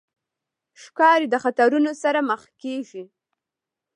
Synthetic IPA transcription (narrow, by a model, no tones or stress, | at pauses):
ʃkɑɾed̪əxat̪aɾunosaɾaməxkeʒi